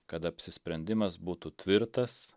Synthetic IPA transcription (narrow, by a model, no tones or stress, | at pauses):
kɐt̪ɐpʲsʲɪsʲpʲɾʲɛnʲd̪ʲɪmɐsbuːt̪ut̪ʲʋʲɪɾt̪ɐs